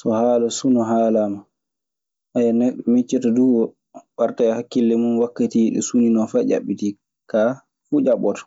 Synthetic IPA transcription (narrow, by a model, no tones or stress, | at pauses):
sɔhaːlasunɔɦaːlama | ʔajanɛɗːɔmit͡ʃːitaduwɔ | ɓaɾtahakːilːɛmunwakːatiɗɛ̰suninɔfad͡ʒa̰ɓːiti | ka | fud͡ʒaɓɔtɔ̥